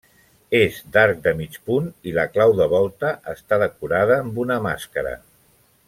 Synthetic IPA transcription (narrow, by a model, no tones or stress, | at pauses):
ezd̪aɾk̚d̪əmit͡ʃpuniləklawðəβɔlˠt̪əʔəst̪aðəkuɾað̞əːmbunəma̰skəɾə̰